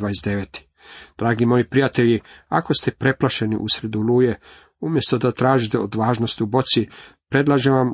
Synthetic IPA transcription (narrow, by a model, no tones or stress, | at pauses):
aːjesd̪eʋet̪i̥ | d̪̥ɾaːɡimo̞jipɾijat̪e̞ʎiako̞st̪epɾe̞plaʃe̞nḭʔusɾed̪uluːje̞ | umje̞st̪o̞d̪at̪ɾaːʒit̪eod̪ʋaːʒno̞st̪iubo̞t̪sipɾe̞d̪lˠaʒeʋam